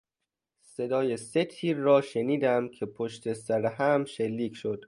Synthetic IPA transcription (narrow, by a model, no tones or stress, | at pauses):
se̞d̪ɒːje̞se̞t̪ʰiːɾːɒːʃeniːd̪æmcʰe̞pʰoʃt̪ʰe̞sæɾeɦæmʃelːiːcʰʃod̪̥